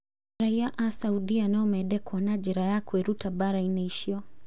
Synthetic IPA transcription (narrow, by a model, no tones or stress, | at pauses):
ɾaiaʔasauɗianaɔmɛɗɛkwanad͡ʒɛɾajakwɛɾutabaɾainɛiʃiɔ